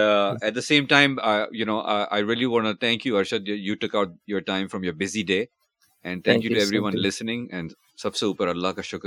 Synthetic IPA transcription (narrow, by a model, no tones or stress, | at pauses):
ɛʈ̚d̪əsẽːmʈãɪ̃majunoːʔa̰ʔa̰ɪɾiəliʋɔ̃ːnut̪ʰæ̃ŋkjuɐɾʃad̪juʈʊkaʊʈ̚jɔːɾʈãɪ̃mfɾɔ̃mjəɾbɪziɖeː | ɛ̃nɖt̪ʰæ̃ŋkjutuɛvɾiʋʌ̃nlɪsənɪ̃ŋɛ̃nɖ | sʌbseuːpəɾɐlːahkaʃʊk